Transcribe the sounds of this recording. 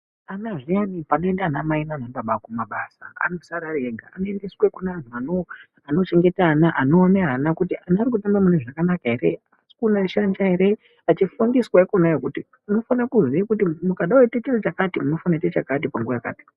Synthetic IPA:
anaʐijanipano̞endanamainanaɓaɓakumaɓasaa̰no̞saɾaɾeɡʱa̰anoendeswekunaan̤uano | ano̞t͡ʃe̞ŋɡe̞tanaʔano̞ːneɦanakutianaːrik̬utambamuneʐakanakaɦe̞ɾe | asi̥kunaʃand͡ʒaɦeɾe̞ | at͡ʃifundiswaikonajekuti | muno̞fanakuziekutimukaɗaweitet͡ʃirot͡ʃakatimuno̞fanaitet͡ʃakat̬ipaŋɡuajaka̰ːti̥

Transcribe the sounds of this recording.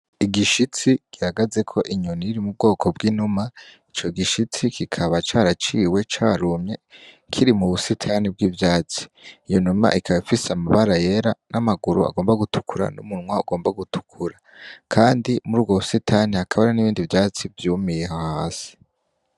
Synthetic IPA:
iɡiʃit͡siɡ̥ihaɡaze̞kʰo̞ʔiɲuniiɾimub̚ɡo̞ːkʰo̞bɡiːnumait͡ʃo̞ɡiʃit͡sikʰikʰaβat͡ʃaːɾat͡ʃiːwe̞t͡ʃaːɾumɲe̞ | kʰiɾimuβusitʰaːnib̚ɡiːvjaːt͡si̥ːjonuma̰ʔikʰaβafiseamaβaɾaje̞ɾanamaɡuɾua̰ɡo̞ːmbaɡutʰu̥kʰuɾa̰nṵmunŋwauɡoːmbaɡutʰu̥kʰuɾa | kʰaːndimuɾuːbɡoβusitʰaniakʰaβaɾeniβiːndivjaːt͡sivjuːmijeɦahaːsi̥

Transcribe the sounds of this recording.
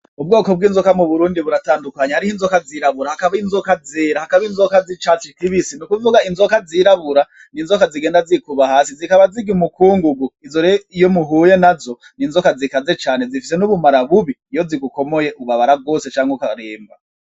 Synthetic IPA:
ub̚ɡo̞ːkob̚ɡiːnzokamuβuɾuːndiβuɾataːndukaɲehaɾihiːnzokaziɾaβuɾahakaβainzokazeɾahakaβinzokazit͡ʃat͡ʃitiβisinukuvuɡainzokaziɾaβuɾa | ninzokaziɡeːndazikuβahaːsizikaβaziɡiumukʰuːŋɡuɡuizoɾeijomuɦuːje̞nazo̞ | ninzokazikaze̞t͡ʃaːne̞zifis̬e̞nuβumaɾaβuβiːjo̞ziɡuko̞moje̞ʔuβaβaɾab̚ɡo̞ːse̞t͡ʃaːŋhokaɾeːmba

